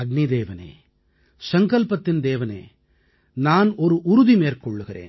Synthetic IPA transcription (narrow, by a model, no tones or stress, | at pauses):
ɐɡ̚nid̪eːʋɐnḛː | sɐŋkɐlpɐt̪ːɪnd̪eːʋɐnḛː | naːnɔɾɯʔʊɾuðimeːɾkɔɭːɯɣɪɾḛːn